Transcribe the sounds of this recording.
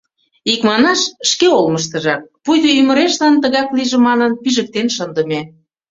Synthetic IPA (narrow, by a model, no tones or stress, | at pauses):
ikmɑnɑʃʃkeolməʃt̪ə̆ʒɑk̚pujd̪eymə̆ɾeʃlɑnt̪əɣɑkliʒĕmɑnənpiʒə̆k̚t̪enʃɤənd̪ə̆me